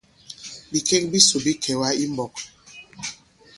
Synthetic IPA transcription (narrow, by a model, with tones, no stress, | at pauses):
bi˨kɛ˦k̚bi˦su˨bi˦kʰɛ˨wa˦i˦mbɔ˨k̚